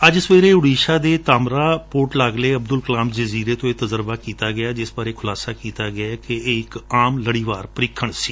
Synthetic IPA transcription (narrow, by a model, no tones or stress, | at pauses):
əd͡ʒsʋeːɾeːʊɽiːʃaːd̪eːt̪aːmɾaːpoːʈlaːɡleːəb̚d̪ʊlkəlaːmd͡ʒəziːɾeːt̪õːeːt̪əzəɾbaːkiːt̪aːɡɪjaːd͡ʒɪsbaːɾeːkʰʊlaːsaːkiːt̪aːɡɪakeeːɪkaːmləɽiːʋaːɾpəɾɪkʰːəɳsiː